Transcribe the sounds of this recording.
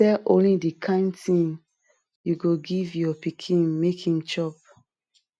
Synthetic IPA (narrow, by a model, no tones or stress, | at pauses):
ɛlʔõlidikʰãɪ̃ntĩm | juɡoɡivjɔpikʰĩnmekʰĩnt͡ʃɔp̚